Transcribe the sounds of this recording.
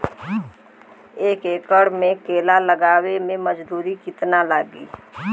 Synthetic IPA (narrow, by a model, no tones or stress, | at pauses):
eːkeːkəɽmẽkeːlaləɡaːwemẽməd͡ʒd̪uːɾikɪt̪nalaːɡḭː